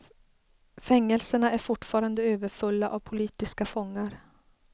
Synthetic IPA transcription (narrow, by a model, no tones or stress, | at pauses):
fɛŋːɛlsəɳaæɾfʊʈfɑːɾand̪əøːvəɾfɵlːaʔavpʰʊliːt̪ɪskafɔŋːaɾ